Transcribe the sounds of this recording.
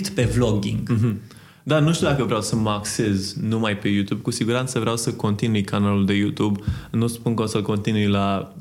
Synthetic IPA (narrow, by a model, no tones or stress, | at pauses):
t̪pe̞vloɡʲḭŋɡɦ̩ | d̪anuʃt̪ud̪akəvɾeawsəmakse̞znumajpe̞jut̪ub̚kusiɡuɾant̪səvɾjawsəko̞nt̪inujkanaluld̪e̞jut̪ubnuspunkosəlko̞nt̪inujla